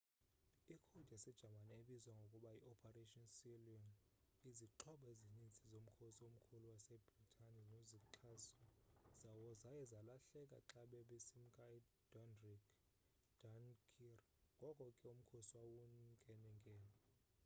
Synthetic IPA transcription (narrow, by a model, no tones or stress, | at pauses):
ikʰud̥ʱɛsɛd̥ʒ̥ʱamanɛeɓizwaŋɡʱokʼuɓaiʔɔpʰareʃʼɔnsiliɔn | iziǃʰɔɓɔezinint͡sʼizom̩kʰosiom̩kʰuluwasɛbritʰʼaninoziǁʰasɔz̥awɔzajɛzalaɬɛkʼa̰ǁaɓɛɓisim̩kʼai | d̥ɔnrikʰ | d̥ankʰir | ŋɡʱɔkʼɔkʼɛum̩kʰosiwawuŋɡʱɛnɛŋɡʱɛːlɔ